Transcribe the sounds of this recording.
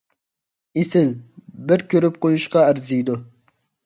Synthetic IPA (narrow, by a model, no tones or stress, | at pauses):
isɪlbɪɾkʰʲøɾyp̚qojuʃqɑæɾzijd̪ʊ